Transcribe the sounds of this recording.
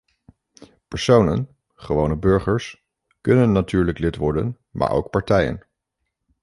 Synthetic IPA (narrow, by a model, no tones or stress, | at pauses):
pəɹsownən | χəʋownəbøɹχəɹs | kɵnənːatyːɹləklɪtʋɔɹdə̰n | mʔa̰ːɹʔo̰wk̚pɑɹtɛjə̰n